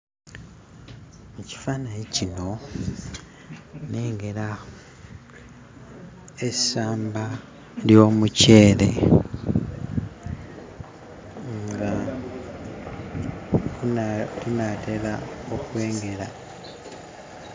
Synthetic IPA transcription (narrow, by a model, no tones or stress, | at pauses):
meci̥faːnajicino̞ | ne̞ːŋɡe̞la | esaːmba | ljo̞ːmuce̞ːle̞ | ŋɡa | unate̞laokwe̞ːŋɡe̞ɾa